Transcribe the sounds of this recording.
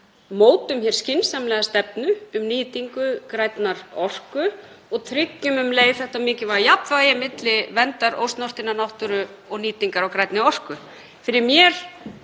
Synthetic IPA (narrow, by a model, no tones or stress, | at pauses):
moːwt̪ʏmçɛɾ̥scɪnsamlɛːɣast̪ɛpnʏʏmniːt̪iŋkʏkɾajt̪naɾ̥ɔr̥kʏ | ɔɣt̪ʰɾɪcːʏmʏmleːjðθɛht̪amɪːcɪvaɾjapnvajɪmɪt̪lɪvɛnt̪aɾo̰wst̪nɔr̥t̪ɪnːanawht̪ʏɾʏ | ɔɣniːt̪iŋkaɾawkɾajt̪nɪɔr̥kʏ | fɪɾɪɾmjɛɾ̥